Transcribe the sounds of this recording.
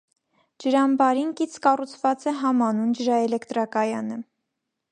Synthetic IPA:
d͡ʒəɾɑmbɑɾinkit͡sʰkɑrut͡sʰvɑt͡sɛɦɑmɑnund͡ʒəɾɑɛlɛkʰt̪ɾɑkɑjɑnə

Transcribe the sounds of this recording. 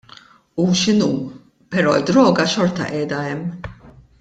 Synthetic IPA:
uʃɪnuː | pɛɾɔːɪd̪ːɾɔːɡɐʃɔɾt̪ɐ̰ʔɛːd̪ɐɛmː

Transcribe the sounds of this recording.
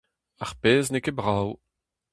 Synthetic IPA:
aʁpeːznekebʁaw

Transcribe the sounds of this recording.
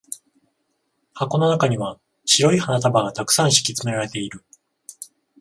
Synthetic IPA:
hako̞no̞nakaɲ̟iβa | ɕiɾo̞ihanat̪abaɡat̪akɯ̟̥sãɰ̃ɕi̥kʲit͡sɨme̞ɾaɾe̞t̪e̞iɾɯ̟

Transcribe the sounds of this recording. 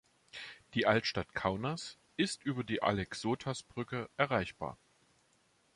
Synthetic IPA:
d̥iːʔaltʃtatkʰaʊnas | ʔɪstʔyːbɐdiːʔa̰lɛksoːtʰasb̥ʁʏkəʔɛɐʁaɪçb̥a̰ːɐ

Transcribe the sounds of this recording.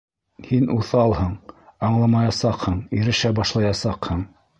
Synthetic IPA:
hinʔuθɑlˠhɤɴɑɴlˠɑmɑjɑsɑqhɤɴiɾɘ̆ʃæbɑʃlˠɑjɑsɑqhɤɴ

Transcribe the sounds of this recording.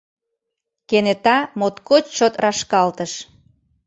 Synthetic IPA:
kenet̪ɑmot̪kot͡ɕt͡ɕot̪rɑʃkɑlt̪əʃ

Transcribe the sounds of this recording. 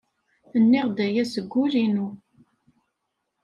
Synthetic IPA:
θənːɪʁd̪æjæsəɡʷːʊlinu

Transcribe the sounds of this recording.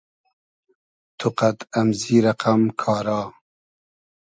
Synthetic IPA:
t̪ʰuqat̪ɐmziːɾɐqamkʰɑːɾɑː

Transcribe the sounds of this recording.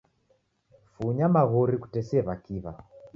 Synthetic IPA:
fuɲamaɣɔɾiku̥tɛsɛβakiβa

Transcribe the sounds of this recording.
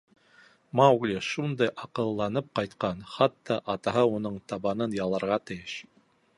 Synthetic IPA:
mɑwɡlʲiʃund̪ɑjʔɑqɤ̆lˠːɑnɤp̚qɑjt̪qɑnχɑt̪ːɑʔɑt̪ɑɦɑunɤɴt̪ɑβɑnɤnjɑlˠɑɾʁɑt̪ɘ̆jɘʃ

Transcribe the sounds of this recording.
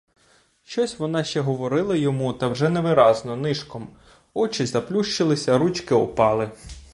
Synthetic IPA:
ʃt͡ʃɔsʲʋɔnɑʃt͡ʃɛɦɔʋɔɾɪlˠɐjɔmut̪ɐwʒɛnɛʋɪɾɑznɔnɪʃkɔm | ɔt͡ʃɪzɐplʲuʃt͡ʃɪlˠɪsʲɐɾut͡ʃkɪɔpɑlˠɪ

